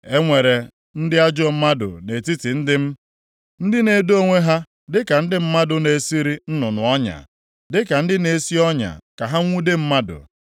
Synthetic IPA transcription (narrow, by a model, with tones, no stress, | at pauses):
e˦ŋʷe˨ɾe˨ | n̩˦dɪ˦a˦d͡ʒɔ˦˨m̩˦ma˦dʊ̰˨ne˨ti˦tɪ˨n̩˦dɪ˦m̩˦ | n̩˦dɪ˦ne˨do˦ŋʷe˦ɦa˦ | dɪ˦ka˨n̩˦dɪ˦m̩˦ma˦dʊ˨ne˨si˦ɾi˦n̩˦nʊ˨nʊ˨ɔ˦ɲa̰˨ | dɪ˦ka˨n̩˦dɪ˦ne˨˦˨si˦ɔ˦ɲa̰˨ka˨ɦa˦ŋʷu˦de˦m̩˦ma˦dʊ̰˨